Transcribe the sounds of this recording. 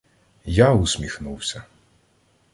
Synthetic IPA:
jausʲmʲixnuwsʲɐ

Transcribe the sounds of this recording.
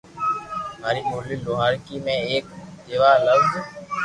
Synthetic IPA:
maːɾimoːliloɦaːɾkimẽeːk̚d̪eːʋaːləbd̪

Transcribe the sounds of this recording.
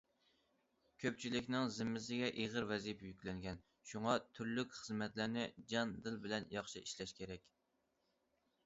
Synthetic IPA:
kʲʰøp̚t͡ʃʰilɪkʲnɪŋzɪmːɪzɪɡʲɛʔeʁəɾwɛzipjykʲlɛŋɡʲɛn | ʃuŋɑt̪ʰyɾlykʲχəzmɛt̪lɪɾnɪd͡ʒɑnd̪ɨlbɪlɛnjɑχʃiʔiʃlɛʃkʲʰeɾɛkʲ

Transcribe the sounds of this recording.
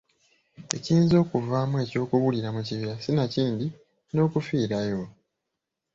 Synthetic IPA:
e̞̰ciːnzo̞ːkuvaːmuwe̞ːco̞ːkuβuliɾamuciβiɾasinaciːndi | no̞ːkufiːɾajo̞

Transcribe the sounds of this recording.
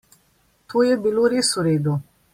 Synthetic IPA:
t̪ʰoːjɛbiloːɾeːsuɾeːd̪u

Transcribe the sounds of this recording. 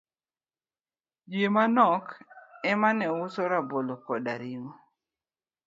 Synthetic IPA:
d͡ʒjemanɔkɛmanɛwʊsoɾabolokɔda̰ɾiŋo

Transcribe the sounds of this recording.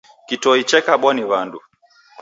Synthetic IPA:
kitɔit͡ʃɛkaɓaniβandu

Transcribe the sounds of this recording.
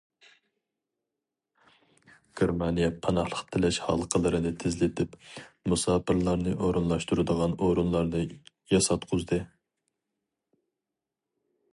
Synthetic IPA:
ɡ̥ʲeɾmɑnijɛpʰɑnɑχlˠəqt̪ʰɪlɛʃhɑ̰lˠəqʰəlˠɨɾɨnɨt̪ʰɪzlɪt̪ʰɪpmusɑːpʰɨɾlˠɑɾnɨʔoɾunlˠɑʃt̪uɾɨd̪əʁɑnoɾunlˠɑɾnɨ | jɑsɑt̪qʰʊzd̪ɨ

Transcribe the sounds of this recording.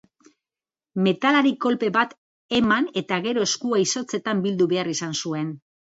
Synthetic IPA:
me̞t̪alaɾiko̞lpe̞βat̪ | e̞mane̞t̪aɣe̞ɾo̞e̞skuajso̞t͡se̞t̪ambild̪uβe̞arisansue̞n

